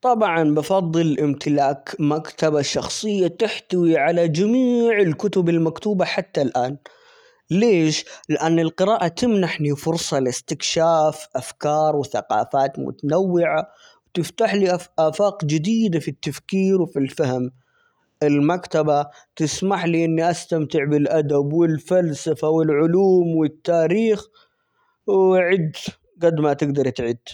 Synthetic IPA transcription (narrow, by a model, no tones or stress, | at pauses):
t̪ˤɑbʕɑnbɑfɑðˤːɨlʔɪmt̪ʰɪlaːkmakt̪abaʃːɑxsˤɨjːat̪ɪħt̪awiʕalad͡ʒamiːʕɪlkʊt̪ʊbɪlmakt̪uːbaħat̪ːalʔaːn | leːʃlɪʔanːɪlqɪɾaːʔat̪ɪmnaħnifʊɾsˤɑlɪst̪ɪkʃaːfʔafkɑːɾˤwθa̰qɑ̰ːfaːt̪mʊ̰t̪anawːɪʕa | wt̪ɪft̪aħliʔʔaːfaːqd͡ʒɪd̪iːd̪afit̪ːafkiːɾwɪfilfahm | ɪlmakt̪aba | t̪ɪsmaħliʔɪnːiʔast̪amt̪ɪʕbɪlʔad̪abwɪlfalsafawɪlʕʊluːmwɪt̪ːaːɾiːx | wʕɪd̪ | ɡad̪mat̪ɪɡd̪ɑɾˤt̪ʕɪd̪